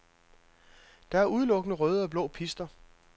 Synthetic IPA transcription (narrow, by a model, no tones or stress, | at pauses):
d̥ɑ̈æɐuð̞ˠlɔ̽ɡ̥ənəʁœːð̞ˠəɒ̽b̥lɔ̰ːpʰisd̥ɐ